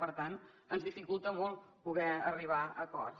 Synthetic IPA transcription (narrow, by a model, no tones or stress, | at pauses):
pəɾt̪an | ənzðifikulˠt̪əmolˠpuɣɛəriβ̞aəkɔ̰r